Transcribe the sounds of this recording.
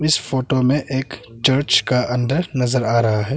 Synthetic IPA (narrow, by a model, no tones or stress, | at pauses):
ɪsfoːʈomẽʔeːkt͡ʃəɾt͡ʃkaʔɐ̃nd̪əɾnɐzəɾaːɾɐɦaɦɛː